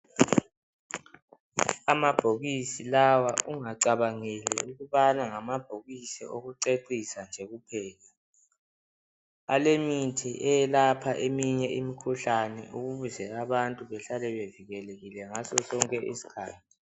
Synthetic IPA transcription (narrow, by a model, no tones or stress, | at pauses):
amab̥ʱoɣisilawaʔuŋaǀaβaŋɛlɛ̰uɣuβanaŋamab̥ʱoɣisiʔoɣuǀeǀisand͡ʒʱeɣupʰɛːla | alemitʰiʔɛjɛlapʰaʔemiɲɛʔimikʰuɬanɛ̰uɣuβuzɛlaβantʼuβɛɬalɛβeviɣɛleɣilɛŋasɔsɔŋkʼɛʔḭsi̥kʰaːtʰi̥